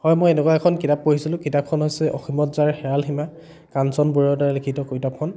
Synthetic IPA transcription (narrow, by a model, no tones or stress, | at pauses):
hɔjmojenɛkwaɛkʰɔnkitap̚ːoɦisilʊ̃kitap̚kʰɔnɦojsɛʔɔ̰ximɔtzaɹxɛɹalxima | kansɔnbuɹiɔtaɹlikʰitɔkojtap̚kʰɔn